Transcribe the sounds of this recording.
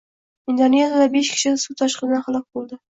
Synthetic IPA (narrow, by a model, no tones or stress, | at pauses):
ɪnd̪onezjad̪abeʃkʲʰɪ̥ʃɪsut̪ʰɒʃqɨzd̪anχɑlˠɑq̚bolˠd̪ɪ